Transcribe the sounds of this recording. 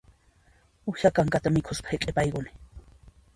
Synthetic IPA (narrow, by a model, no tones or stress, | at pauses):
ʊjakaŋkat̪amɪkʰʊspḁhekʼepajkʊnɪ̥